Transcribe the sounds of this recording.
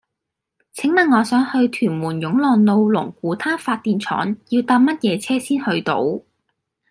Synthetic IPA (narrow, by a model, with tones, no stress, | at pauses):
t͡sʰɪ˨˥ŋmɐ˨nŋɔː˨˧sœː˨˥ŋhɵ˧ɥt̪ʰyː˨˩nmuː˨˩njʊ˨˥ŋlɔː˨ŋlo˧wlʊ˨˩ŋkuː˨˥t̪ʰaː˥faː˧t̚t̪iː˨˧nt͡sʰɔ̰ː˨˥njiː˧wt̪aː˧p̚mɐ˥t̚jɛː˨˧t͡sʰɛː˥siː˥nhɵ˧ɥt̪o̰˨˧˥w